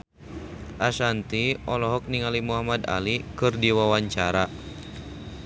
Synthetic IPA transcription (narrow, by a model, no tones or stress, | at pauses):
ʔasant̪iɔlɔɦɔk̚niŋalimuɦamada̰likɨrdiwawaɲt͡ʃaɾa